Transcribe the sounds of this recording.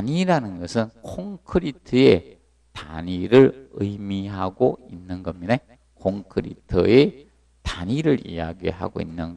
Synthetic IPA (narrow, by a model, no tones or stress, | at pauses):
ɲiɾanɯnɡʌsʰɯnkʰoŋkʰɯɾitʰɯe̞ | ta̰ɲiɾɯɾɯjmiɦaɡoinːɯnɡʌmine | kʰoŋkʰɯɾḭtʰɯe | taɲiɾɯɾḭja̰ɡḭɦa̰ɡoinːɯn